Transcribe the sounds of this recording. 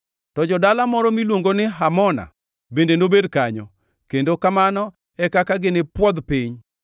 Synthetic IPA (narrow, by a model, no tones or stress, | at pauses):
tɔd͡ʒɔdalamɔɾɔmilwoŋɡonɪɦamɔna̰ | bendenobedkaɲɔ̰ | kendokamanɔ | ɛkakaɡɪnɪpwɔd̪piɲ